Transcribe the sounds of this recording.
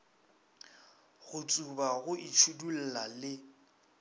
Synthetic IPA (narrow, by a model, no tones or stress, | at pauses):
ɣʊt͡sʼubaɣʊʔit͡ʃʰudul̩lalɪ